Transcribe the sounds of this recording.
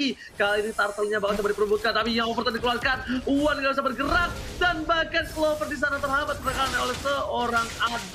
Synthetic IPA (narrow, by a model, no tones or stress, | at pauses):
i | kaliinit̪art̪əlɲabakasabadipəɾubʊt̪̚kant̪apijaɔfərt̪ədikəluarkanuwanŋɡabis̬abərɡəɾak̚danbakanslofərdis̬anat̪ərɦamat̪pənakalanaolɛsəoɾaŋad